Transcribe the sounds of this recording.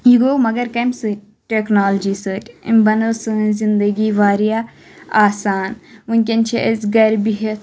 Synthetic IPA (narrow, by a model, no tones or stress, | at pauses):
jiɡoːmɐɡɐɾkɐmsɨ | ʈeknaːld͡ʒiːsɨːʈʲḭmbɐnɐsɨzind̪ɐɡiːʋaːɾija | aːsaːnʋunʲkʲɐnt͡ʃʰiʔezɡɐɾbiɦet̪